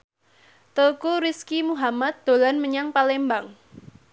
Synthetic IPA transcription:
t̪əkuɾiskimuɦamat̪̚d̪̥o̤lanməɲaŋpalembaŋ

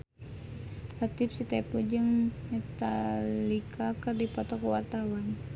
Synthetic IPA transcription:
lat̪ip̚sit̪ɛpud͡ʒɨŋmɛt̪alikʰakɨrdipɔt̪ɔkəwart̪awan

